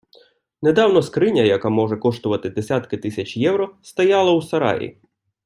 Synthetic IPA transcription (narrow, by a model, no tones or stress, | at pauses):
ned̪ɑwnɔskɾɪnʲɐjɐkamɔʒɛkɔʃt̪ʊʋɐt̪ɪd̪esʲat̪kɪt̪ɪsʲɐt͡ʃjɛwɾɔst̪ɐjɑlˠɐwsɐɾɑ̰jḭ